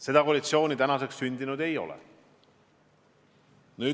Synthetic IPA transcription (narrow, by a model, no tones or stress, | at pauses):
se̞d̪̥ɑkoːlit̪sio̞ːnit̪ænɑse̞kssynʲd̪inud̪e̞jo̞̰lɛ̰ | nyː